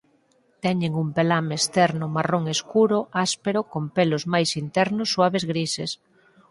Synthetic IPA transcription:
t̪ɛɲeŋumpelamest̪ɛɾnʊmaroŋeskuɾʊaspeɾʊkompelʊzmajsint̪ɛɾnʊsːwaβezɣɾises

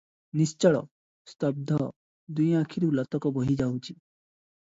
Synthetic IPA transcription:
nist͡ʃɔɭɔ̰ | st̪ɔb̚d̪ʱɔ | d̪ujãkʰiɾuulat̪ɔkɔboɦid͡ʒawt͡ʃʰi

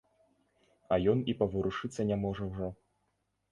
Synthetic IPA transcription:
ɐjɔnipɐvɨɾuʂɨt̪sːɐnʲamɔʐɐwʐɔ

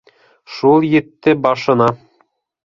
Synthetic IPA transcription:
ʃulˠjɘ̆t̪ːɘbɑʃɤ̆nɑ

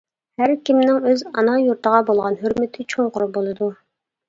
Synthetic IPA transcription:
hæɾkʲimnɪŋøzɑ̰nɑjuɾt̪ʰəʁɑbolˠʁɑnɦyɾmɪt̪ʰɪt͡ʃʰoɴqʊɾʊbolˠɨd̪u

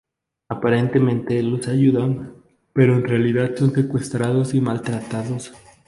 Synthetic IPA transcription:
apaɾe̞nt̪e̞mẽnt̪e̞losaʝuðan | pe̞ɾo̞enrealiðaðso̞nse̞kwe̞st̪ɾaðosimalt̪ɾat̪aðos

